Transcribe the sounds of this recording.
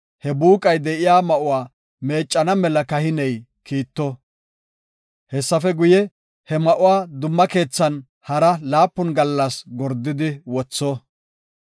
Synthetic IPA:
hɛbuːkʼɐjd̪ɛʔɪjaːmɐʔʊwaː | me̞ːt͡ʃʼːɐnɐmɛlɐkɐhɪnɛj | kiːt̪ːɔ | hɛsːɐfɛɡʊjɛ | hɛmɐʔʊwaːd̪ʊmːɐke̞ːt͡sːɐn | hɐɾɐlaːpːʊnɡɐlːɐsɡɔɾd̪ːɪd̪ɪwɔt͡sːɔ

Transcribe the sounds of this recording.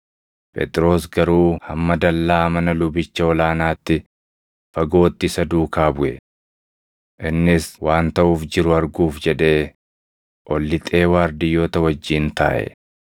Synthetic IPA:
pʼḛt̪ʼɪɾo̞ːsɡɐɾuːhɐmːɐd̪ɐlːaːmɐnɐlʊbɪt͡ʃːɐɔlaːnaːt̪ːɪ | fɐɡo̞ːt̪ːɪsɐd̪uːkaːbʊʔɛ̰ | ʔɪnːɪswaːnt̪ɐʔuːfd͡ʒɪɾʊɐɾɡuːfd͡ʒɛᶑe̞ː | ʔɔlːɪt̪ʼe̞ːwaːɾd̪ɪjːo̞ːt̪ɐwɐd͡ʒːiːnt̪a̰ːʔɛ̰

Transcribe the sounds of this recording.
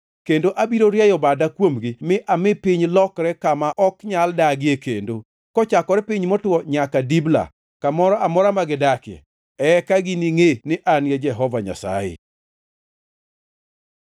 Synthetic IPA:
kendoʔabiɾoɾjajɔbadakwomɡimɪʔamɪpiɲlɔkɾɛkamaʔɔkɲaldaɡɪekendo | kɔt͡ʃakɔɾɛpiɲmɔtwɔɲakadibla̰ | kamɔɾɔamɔɾamaɡɪdakɪɛ̰ | ɛkaɡiniŋenɪʔanjed͡ʒɛɦɔvaɲa̰sa̰jɪ̰

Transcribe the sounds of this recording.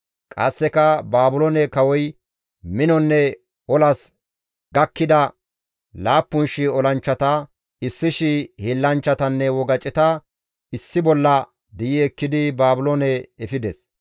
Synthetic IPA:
kʼɐ̰sːɛkɐbaːbʊlonɛkɐwɔj | mɪnɔnːɛ | ɔlɐs | ɡɐkːɪd̪ɐ | laːpːʊnʃɪɔlɐnt͡ʃːɐt̪ɐ | ɪsːɪʃɪhelːɐnt͡ʃːɐt̪ɐnːɛwɔɡɐt͡ʃʼɪt̪ɐ | ɪsːɪbɔlːɐ | d̪ɪjɪɛkːɪd̪ɪbaːbʊlonɛɛfɪd̪ɛs

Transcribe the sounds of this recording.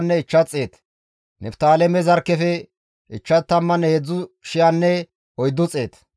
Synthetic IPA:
nːɛɪt͡ʃːɐt͡sʼːe̞ːt̪ | nɛpt̪aːlɛmɛzɐɾkːɛfɛ | ʔɪt͡ʃːɐt̪ːɐmːɐnːɛhɛd͡zːʊʃɪjanːɛ | ɔjd̪ːʊt͡sʼeːt̪

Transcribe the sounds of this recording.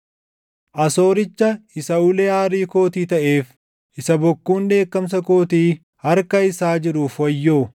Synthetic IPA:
ʔɐso̞ːɾɪt͡ʃːɐɪsɐuleːaːɾiːko̞ːt̪iːt̪ɐʔeːf | ʔɪsɐbɔkːuːnd̪e̞ːkːɐms̬ɐko̞ːt̪iː | hɐɾkɐɪsaːd͡ʒɪɾuːfwɐjːoː

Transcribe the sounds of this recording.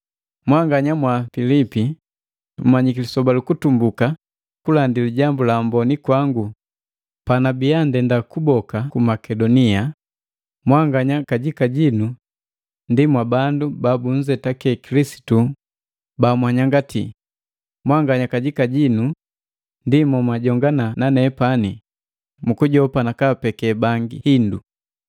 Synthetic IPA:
mwaŋɡaɲamwafilipi | m̩maɲikilisɔbalukutumbuka | kulandiliɟambulambɔnikwaŋɡu | panabiandɛndakubɔkakumakɛdɔnia | mwaŋɡaɲakaɟikaɟinu | ndimwabandubabuɲ̩zɛtakɛkilisi̥tu | bamwaɲaŋɡatḭ | mwaŋɡaɲakaɟikaɟinu | ndimwamwaɟɔŋɡanananɛpani | mukuɟɔpanakapɛkɛbaŋɡihindṵ

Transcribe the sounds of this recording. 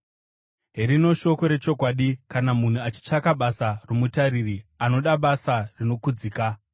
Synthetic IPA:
ɦrino̞ʃo̞ko̞ɾe̞t͡ʃo̞kwaɗikanamun̤uat͡ʃi̥t͡ʂakaɓasaromutaɾiriano̞ɗaɓasarino̞kud͡zika

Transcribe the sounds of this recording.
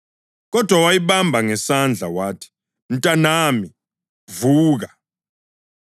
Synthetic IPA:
k̬ɔd̥ʱwawajiɓambʱaŋɛsand͡ɮʱa̰waːtʰi̥ | ntʼanaːmi | vuːk̬a

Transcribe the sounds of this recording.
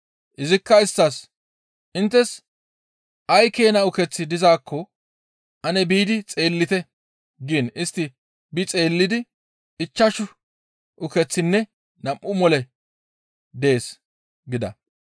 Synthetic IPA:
ʔɪzɪkːɐɪstːɐs | ʔɪnt̪ːɛs | ʔɐjke̞ːnɐʊkɛt͡sːɪd̪ɪzaːkːɔ | ʔɐnɛbiːd̪ɪt͡sʼe̞ːlːɪt̪ɛ | ɡiːnɪst̪ːɪ | bɪt͡sʼe̞ːlːɪd̪ɪ | ɪt͡ʃːɐʃʊ | ʔʊkɛt͡sːɪnːɛ | nɐmʔʊmɔlɛ | d̪e̞ːs | ɡɪd̪ɐ̰

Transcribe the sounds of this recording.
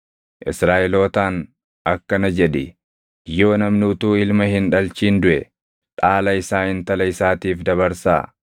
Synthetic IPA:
ʔɪ̰sɾaːʔɛlo̞ːt̪aːn | ʔɐkːɐnɐd͡ʒɛᶑɪ | jo̞ːnɐmnʊːt̪uːɪlmɐɦɪnᶑɐlt͡ʃiːnd̪ʊʔɛ | ᶑʼaːlɐɪsaːhɪnt̪ɐlɐɪsaːt̪iːfd̪ɐβɐɾsa̰ː

